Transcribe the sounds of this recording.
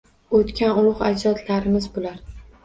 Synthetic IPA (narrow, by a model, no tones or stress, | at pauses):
ot̪kʲanʊɾʊχad͡ʒɒt̪laɾɪmɪzbolaɾ